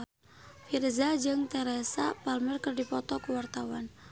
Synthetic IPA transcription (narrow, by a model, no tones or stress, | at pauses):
firzad͡ʒɨŋt̪ɛɾɛsapalmərkɨrdipɔt̪ɔkuwart̪awan